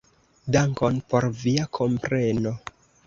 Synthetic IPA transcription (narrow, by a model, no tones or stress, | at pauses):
daŋko̞npo̞ɾviakʰo̞mpɾe̞no